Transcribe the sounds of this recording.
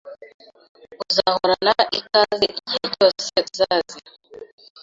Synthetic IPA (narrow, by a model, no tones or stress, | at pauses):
uzahɔɾanaʔikaziʔɲid͡ʒɔsɛzazi